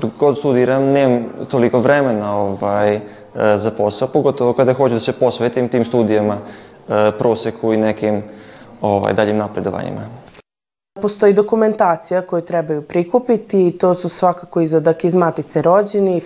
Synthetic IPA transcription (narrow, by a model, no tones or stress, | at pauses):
ɡod̪st̪ud̪iɾamneːmamt̪oliko̞ʋɾemenao̞ʋaj | zapo̞saopoɡo̞t̪oʋokad̪axo̞t͡ɕud̪asepo̞sʋet̪imt̪iːmst̪uːd̪ijama | pɾo̞ːsekʰuinekimoʋa̰jd̪aʎimnapɾed̪oʋa̰ɲḭma̰ | post̪o̞jid̪o̞kume̞nt̪aːt̪sijako̞jut̪ɾebajupɾikupit̪iːt̪o̞ːsusʋakakoizlazakeizmat̪it̪seɾo̞d͡ʑenix